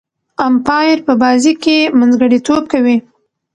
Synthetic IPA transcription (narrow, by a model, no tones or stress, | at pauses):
ampɑjɾpəbɑzikemanzɡəɽit̪ob̚kawi